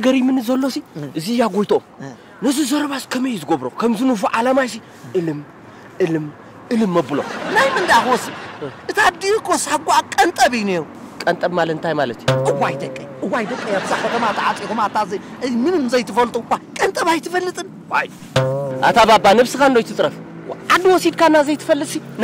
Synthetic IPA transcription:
ɐɡɐɾimɨnɨzɐlːo̞siʔɨzijaɡojt̪ʰoo | nɐzizɐɾɐβaskʰɐmɐjt̪ʰɨɡoβɾo̰kʰɐmzɨnufuʕalamajs̬i | ʔɨlɨm | ʔɨlɨm | ʔɨlɨmːɐbɨlo̰najmɨnd̪jaxɔsiʔɨt̪ʰad̪ikʰːosaɡʷuakʼɐnt̪ʼɐβɨjne̞ɾu | kʼɐnt̪ʼɐbmalɐt̪nt̪ʰajmalɐt̪ʰjuʔɨwajd̪ɐkʼːɨjʔɨwajd̪ɐkʼːɐjaβzaxɐt̪ʰɐmat̪ʰɨʕat͡sʼikumat̪azɐ | ɨzmɨnɨmzɐjt̪ʰɨfɐlt̪ʼukʷːakʼɐnt̪ʼɐβajt̪ʰɨfɐlːɨt̪ʼɨn | waj | ʔa̰t̪ʰababːanɨβsɨkandojt̪ʰɨt͡sʼɾɐf | wʔad̪ɨwɔsid̪kʰanːazɐjt̪ɨfɐlːɨt̪sin

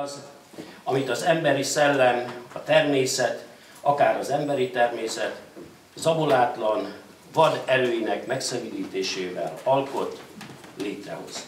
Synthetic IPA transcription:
z | ɒmit̪ɒzɛmbɛɾisɛlːɛnɒt̪ɛrmeːsɛt̪ | ɒkaːɾɒzɛmbɛɾit̪ɛrmeːsɛt̪ | zɒbolaːt̪lɒn | vɒd̪ɛɾøːjinɛkmɛksɛmiliːt̪eːʃeːvɛ̰lɒlko̞t̪leːt̪rɛ̰ɦo̞̰z̥

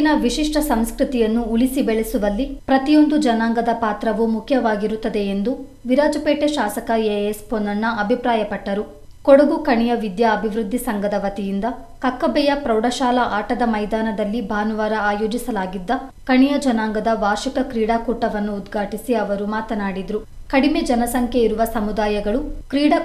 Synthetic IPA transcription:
nɐʋiʃiʂʈɐsɐmskɾut̪ijɐnːuːlisibɛɭɛsuʋɐlːipɾɐt̪ijo̞nd̪ud͡ʒɐnaːŋɡɐd̪ɐpaːt̪ɾɐʋumukʰjɐʋaːɡiɾut̪ːɐd̪eend̪u | ʋiɾaːd͡ʒɐpeːʈeʃaːsɐkɐeesponːɐnːɐɐbʱipɾaːjɐpɐʈːɐɾu | koɽuɡukɐɳijɐʋid̪jaɐbʱiʋɾud̪ʱːisɐŋɡɐd̪ɐʋɐt̪ijind̪ɐ | kɐkːɐbɛjɐpɾɐwɽɐʃaːlɐʔaːʈɐd̪ɐmɐjd̪aːnɐd̪ɐlːibʱaːnuʋaːɾɐaːjo̞ːd͡ʒisɐlaːɡid̪ːɐkɐɳijɐd͡ʒɐnaːŋɡɐd̪ɐʋaːɾʃikɐkɾiːɽaːkuːʈːɐʋɐnːuːd̪ɡʱaːʈisiɐʋɐɾumaːt̪ɐnaːɽid̪ɾukɐɽime̞d͡ʒɐnɐsɐŋkjeiɾuʋɐsɐmud̪aːjɐɡɐɭukɾiːɽa

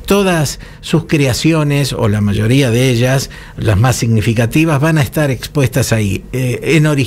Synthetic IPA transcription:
t̪o̞ðasː | uskɾeasjo̞neso̰lamaʒo̞ɾiaðeeʒas | lazmasːiɣnifikat̪iβazβanaest̪aɾe̞kspwest̪asaieno̞ɾi

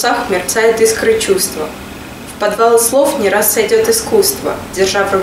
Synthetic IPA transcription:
axmʲɪrt̪sajɪt̪ɨskɾɨt͡ɕust̪və | fpɐd̪valˠslˠofnʲɪɾasːɐjdʲot̪ɨskust̪və̰dʲɪrʐavɾɨ

